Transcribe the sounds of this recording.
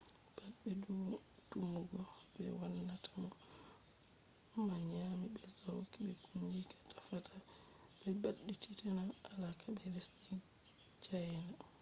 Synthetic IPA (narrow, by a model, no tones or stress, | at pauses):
b̥aɓɛdu | tumːuɡɔ | bɛ̰wanːatamɔ | maɲamibɛzawkiɓɛkumd͡ʒikḁtafata | bɛbaɗːitʰitɛnaʔalakʰabɛlɛsin | t͡ʃajna